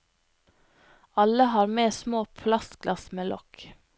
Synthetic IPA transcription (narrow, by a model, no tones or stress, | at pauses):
ɑləhɑːɾmeːsmoːpʰlɑst̪ɡ̥lɑsmeːlʔɔk